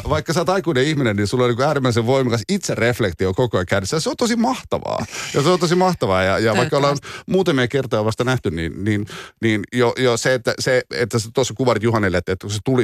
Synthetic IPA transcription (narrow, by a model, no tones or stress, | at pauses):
ʋɑikːɑsɑːt̪ɑikuineihminenninsulːolniːŋkuæːɾimːæiseʋʋoimɑkɑ̃sit̪serreflekt̪iokokojɑkænesːæjseont̪osimɑht̪ɑ̰ʋɑ̰ːjɑseont̪osimmɑht̪ɑʋɑːjɑjɑʋɑikːɑolɑnmuːt̪ɑmiɑkert̪ojɑʋɑst̪ɑnæht̪ynnḭːnniːnniːnjojoseet̪ːæseḛt̪ːæset̪osːɑkuʋɑrit̪juhɑnːilːet̪ːet̪ːækuset̪uli